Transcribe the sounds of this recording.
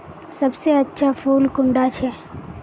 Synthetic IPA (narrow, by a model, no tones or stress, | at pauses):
sɐbseɐtːʃʰafuːlkʊ̃ɳɖat͡ʃʰɛ